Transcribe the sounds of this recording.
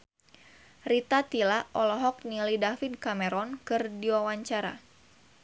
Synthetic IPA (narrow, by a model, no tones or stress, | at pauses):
rit̪at̪ilaʔɔlɔɦɔk̚nilidafid̪̚kamɛɾɔnkɨrdiwawaɲt͡ʃaɾa̰